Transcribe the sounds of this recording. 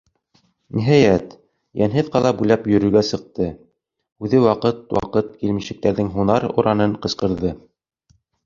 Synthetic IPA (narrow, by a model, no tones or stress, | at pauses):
niɦɑjæt̪ | jænɦɘðqɑlˠɑbʉlæpjɵ̆ɾɵ̆ɾɡæsɤ̆q̚t̪ɤ | ʉðɘwɑqɤt̪̚wɑ̰qɤt̪̚kilmiʃɘ̆k̚t̪æɾðɘŋɦunɑɾṵɾʔɑnɤɴqɤ̆sqɤ̆ɾðɤ